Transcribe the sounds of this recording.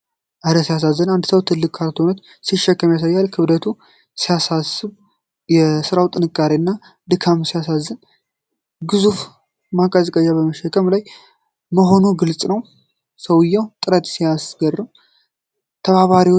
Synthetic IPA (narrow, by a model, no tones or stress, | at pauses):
ʔaɾəsijas̬azːənand̪səwt̪ʰɨlːɨkʼʰːalt̪ʰonət̪ | siʃːɛkːəmjas̬ajːalkʰɨβdət̪ʰu | sijasasɨβ | jɛsɨɾawt̪ʼɨnɨkʼːaɾeɨnːa | d̪ɨkʰamsijasazːən | ɡɨzuf | makʼazəkʼəjːaβəməʃɛkʰʼːəmlaj | məɦo̞nuɡɨlt͡sʼnəw | səwɨjːɛwt̪ʼɨɾət̪sijasɡərːɨm | t̪ʰəβaβaɾiw